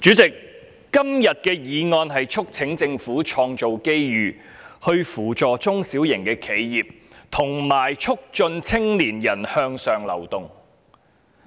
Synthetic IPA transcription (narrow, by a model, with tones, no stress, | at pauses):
t͡ʃyː˨˥t͡sɪ˨k̚ː | ɐ˥mjɐ˨t̚kɛː˧jiː˨˧ŋɔː˧nɦɐ˨jt͡ʃʰʊ˥k̚t͡sʰɪ˨˥ŋt͡sɪ˧ŋfuː˨˥t͡ʃʰɔː˧ŋt͡ʃo˨wke˥jɥyː˨ | hɵ˧ɥfuː˨˩t͡ʃɔː˨t͡sʊ˥ŋsiː˨˥wjɪ˨˩ŋkɛː˧kʰe˨˧jjiː˨p̚ | t̪ʰʊ˨˩ŋmaː˨˩jt͡ʃʰʊ˥k̚t͡ʃɵ˧nt͡sʰɪ˥ŋliː˨˩njɐ˨˩nhœː˧ŋsœː˨ŋlɐ̰˨˩wt̪ʊ˨ŋ